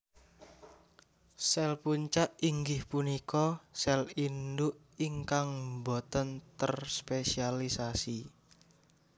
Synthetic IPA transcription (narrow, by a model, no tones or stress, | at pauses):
sɛlpuɲt͡ʃaʔiŋɡɪhpunikɔsɛlindʊʔ | iŋkaŋmbot̪ənt̪ərspesialisasi